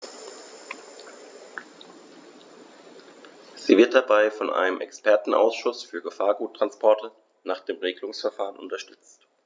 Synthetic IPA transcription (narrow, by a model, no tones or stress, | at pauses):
z̥iːvɪɐt̚d̥abaɪfɔnʔa̰ɪnəmʔɛ̰kspɛɐtn̩ʔa̰ʊsʃʊsfyːɐɡəfaːɐɡuːtːʁ̥anspʰɔɐtʰə | naːχd̥eːmʁeːɡəlʊŋsfɛɐfaːʁənʔʊntɐʃtʏt͡st